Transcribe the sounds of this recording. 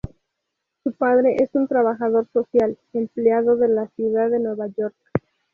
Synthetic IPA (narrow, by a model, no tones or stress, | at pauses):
supað̞ɾe̞ʔesunt̪ɾaβaxaðo̞ɾso̞sjal | empleaðo̞ðe̞lasjuðaðe̞nwe̞βaʝo̞ɾk